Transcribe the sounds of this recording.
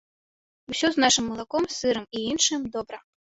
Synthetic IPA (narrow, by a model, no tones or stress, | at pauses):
usʲɔznaʂɨmːɐlˠakɔmsɨɾɨmiinʂɨmd̪ɔbɾɐ